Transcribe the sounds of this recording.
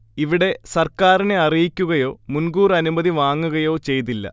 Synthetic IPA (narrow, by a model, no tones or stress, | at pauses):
iʋiɽe̞sɐrkaːrine̞ɐrijikʲːuɣɐjo̞ːmunɡuːrɐnumɐðiʋaːŋːuɣɐjo̞ːt͡ɕe̞jt̪̬ilːɐ̰